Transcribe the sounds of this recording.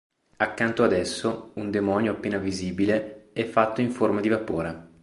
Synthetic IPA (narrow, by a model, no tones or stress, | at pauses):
akːant̪oad̪ɛsːound̪emɔnjoapːeːnaviziːbileɛfːat̪ːoiɱformad̪ivapoːɾe